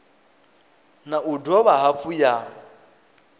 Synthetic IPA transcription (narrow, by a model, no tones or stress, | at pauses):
naʔudɔβaɦafuja